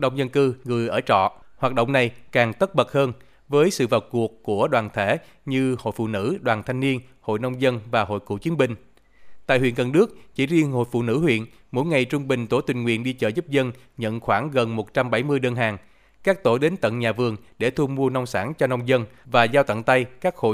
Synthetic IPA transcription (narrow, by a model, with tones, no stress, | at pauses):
ɗə̰˧˨wŋ͡mzə˧nkɨ˧ŋɨ˨˩əjʔəː˧˩t͡ɕɔ̰˧˨hwaː˨˩t̚ɗə̰˧˨wŋ͡mna˨˩jkaː˨˩ŋt̪ə˦˥t̚ɓə˨˩t̚həː˧n | vəː˨˦jsɨ̰˧˨vaː˨˩wku˨˩əkːu˧˩əɗwaː˨˩nt̪ʰe˧˩ | ɲɨ˧ho̰˧˨jfṵ˧˨nɨ̰˧˥ɗwaː˨˩nt̪ʰa˧jŋ̟ni˧ən | ho̰˧˨jna˧wŋ͡mzə˧nvaː˨˩ɦo̰˧˨jkṵ˧˩˨t͡ɕi˨˦nɓï˨˩ŋ̟ | t̪a̰ː˧˨jhwḭ˧˨nɣə˨˩nɗɨ˦˥ək̚t͡ɕi˧˩zi˧ənho̰˧˨jfṵ˧˨nɨ̰˧˥hwḭ˧˨ən | mo̰˧˥jŋa˨˩jt͡ɕʊ˧ŋ͡mɓï˨˩ŋ̟t̪o˧˩˦t̪wï˨˩ŋ̟ŋwḭ˧˨ənɗi˧t͡ɕəː˧˩jzu˦˥p̚zə˧n | ɲə̰˧˨nxwaː˧˩ŋɣə˨˩nmo˨˩t̚t͡ɕa˧mɓa˧˩jmɨ˧əjɗəː˧nɦaː˨˩ŋ | kaː˦˥k̚t̪o˧˩ɗe˨˦nt̪ə̰˧˨nɲaː˨˩vɨ˨˩əŋɗe˧˩t̪ʰu˧mu˧əna˧wŋ͡msaː˧˥nt͡ɕɔ˧na˧wŋ͡mzə˧nvaː˨˩zaː˧wt̪ə̰˧˨ŋt̪a˧jkaː˦˥k̚ho̰˧˨